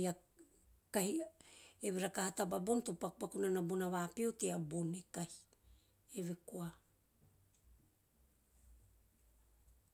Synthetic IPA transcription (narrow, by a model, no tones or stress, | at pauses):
a | kahi | eβiɾakahatababontopakupakunanabunaβapiuteabonekahi̥ | eβekoa